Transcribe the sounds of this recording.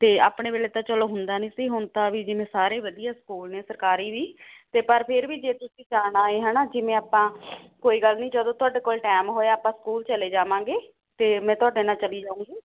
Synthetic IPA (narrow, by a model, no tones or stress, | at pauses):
t̪eːaːpɽ̃eːʋeːleːt̪ãːt͡ʃəloːɦʊnd̪aːnĩːsiːɦʊnt̪aːʋiːd͡ʒɪmɛ̃ːsaːɾeːʋəd̪ijaːsə̥kuːlnẽːsəɾkaːɾiːʋiːt̪eːpəɾpʰɪɾʋiːd͡ʒeːt̪ʊsĩːd͡ʒaːnaːeːɦɛːnaːd͡ʒeːmɛ̃ːaːpãːkoːiːɡəlnĩːd͡ʒəd̪õːt̪ʊaːɖeːkoːlʈɛːmɦoːeaːpãːskuːlt͡ʃəleːd͡ʒaːʋãːɡeː | t̪eːmɛ̃ːt̪ʊaːɖeːnãːt͡ʃəliːd͡ʒaːũːɡiː